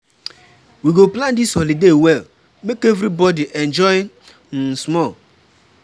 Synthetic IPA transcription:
wiɡoplãndisɔlidewɛl | mekevɾibɔdiʔɛnd͡ʒɔɪ | n̩smɔl

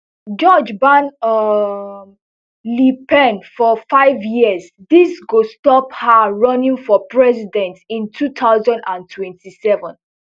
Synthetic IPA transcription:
d͡ʒɔd͡ʒbãn | lipɛ̃nfɔfaɪvjis | disɡostɔphaɹɔ̃nĩŋfɔpɹɛsidɛ̃ntĩntʰutʰaʊzãndãntʰwɛ̃ntʰisɛvə̃n

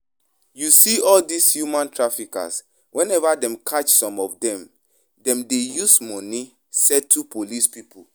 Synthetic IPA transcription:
jusiɔldishjumãntɹafika̰s | wɛ̃nɛvadɛ̃mkʰat͡ʃsɔ̃mɔfdɛ̃m | dɛ̃mdejusmɔ̃ni | sɛtʰːupʰolispipu

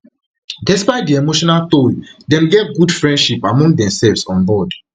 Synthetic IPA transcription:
dɛspaɪt̚diemoʃɔnalt̪oldɛmɡɛt̚ɡudfɹɛ̃ndʃipamɔ̃ŋ̚dɛ̃msɛlvsɔ̃nbɔd

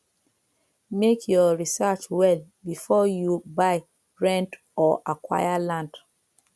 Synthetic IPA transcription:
mekʰjɔɹisat͡ʃwɛlbifɔjubaɪ | ɹɛ̃nt | ɔʔakwa̰jalãnd

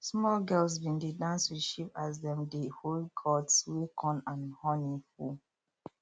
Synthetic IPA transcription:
smɔlɡɛlsbĩndedãnswiʃipazdɛ̃mdeholɡʰɔdswekʰɔ̃nãnhɔnifu

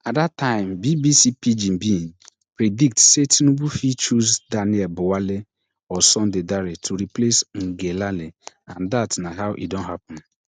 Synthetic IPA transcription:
adataɪ̃m̩bibisipid͡ʒim̩bin | pɾedik̚tsetʰinubufit͡ʃuzdanɪɛbʊwale | ɔsɔ̃ndɪdaɾetʰuɾiplesŋ̩ɡelale | ãndatnaɦaʊʔḭdon̩ɦapʊ̃n

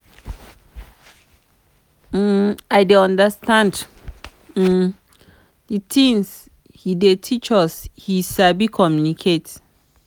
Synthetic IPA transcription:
ajdeɔ̃ndəstãnd̩ | ditĩŋs | hidetʰit͡ʃɔshisabikʰɔmjunikʰet

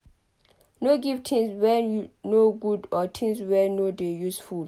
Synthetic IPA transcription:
noɡivtʰĩŋswɛnoɡudɔtʰĩŋswɛnodejusful

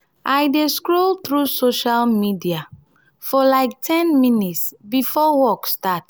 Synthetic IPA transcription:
ʔajdeskɹolθɹusoʃalmidia | fɔlaɪk̚tʰɛ̃nminitsbifɔwɔkstat

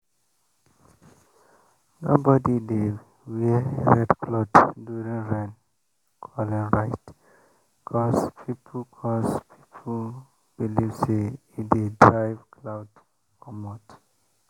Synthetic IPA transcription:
no̰bɔdide | wɛeɹɛdkʰlɔtduɹĩŋɹɛ̃n | kʰɔlɛ̃nɹajt | kʰɔspʰipʰkʰɔspʰi̥pʰ | b̥ilivseidedɹajvkʰlawd | kɔmɔt

